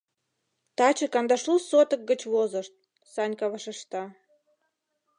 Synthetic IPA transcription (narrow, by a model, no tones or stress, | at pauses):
t̪ɑt͡ɕə̆kɑnd̪ɑʃlusot̪ə̆k̚ɡət͡ɕβozəʃt̪̚ | sɑnʲkɑβɑʃeʃt̪ɑ